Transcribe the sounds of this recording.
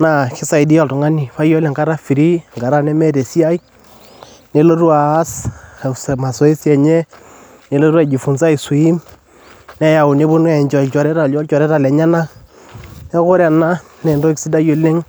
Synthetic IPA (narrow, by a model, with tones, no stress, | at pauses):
na˨kɪ˦sa˨jdi˦a˨ltʊ˨ŋa˦ni˨fa˦jɔ˦lɛ˨ŋɡa˦ɾa˦fi˨ɾi˦ŋɡa˨ɾa˦nɛ˦mɛ˦te˨si˦a˦j | ne˦lo˦ɾu˦aː˨˦ssma˨sɔ˨˦e˦sjɛ˨ɲɛ˦ | ne˨˦lo˦ɾwa˨d͡ʒi˨fʊ˨nsa˦i˨su˨i˦m | nɛ˦ja˨ʊ˨nɪ˦bʊ˦n˦ɛ˨ɲt͡ʃɔ˨t͡ʃɔ˨ɾɛ˦ta˨ɔ˦lt͡ʃɔ˨ɾɛ˦ta˨lɛ˨ɲa˦na˦ | nɛ˦kʊ˦ɾa˨na˦ | nɛ˨ndɔ˦ksi˦da˦jo˨lɪ˦ŋ